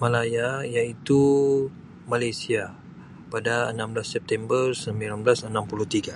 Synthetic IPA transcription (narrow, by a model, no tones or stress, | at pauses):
malajajait̪u | malajsia | padaənamblasːɛp̚t̪ɛmbərsəmbilamblasənampuluht̪iɡa